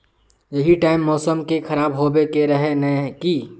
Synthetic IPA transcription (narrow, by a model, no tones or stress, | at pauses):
jɐɦiʈaːɪmːɔːsəmkekʰɐɾaːbɦobekeɾɐɦenɐki